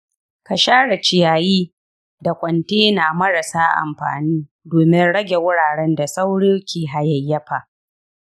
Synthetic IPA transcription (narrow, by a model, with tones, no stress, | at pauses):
ka˨ʃaː˦ɽɐ˨t͡ʃɪ˨jaː˨jiː˦ | da˨kʷʼɐ˨nteː˦na˨mɐ˦ɽa˨saː˦ʔa̰˨mɸa̰ː˨niː˦ | doː˨mɪ˦nɽɐ˦ɡʲe˨wʊ˦ɽaː˨ɽɛ˦nda˨sa˦wɽiː˦kʲeː˨ɦa˨jɐ˨jːɐ˦ɸa˨ʔ